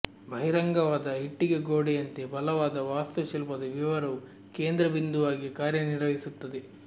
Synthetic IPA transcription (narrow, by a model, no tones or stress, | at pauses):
bʱɐɦiɾɐŋɡɐʋaːd̪ɐɦiʈːiɡeɡoːɽejɐnt̪ebɐlɐʋaːd̪ɐʋaːst̪ɐt͡ʃɐlpɐd̪ɐʋiʋɐɾɐ | keːnd̪ɾɐbind̪uʋaːɡikaːɾjɐniɾʋɐɦisut̪ːɐd̪e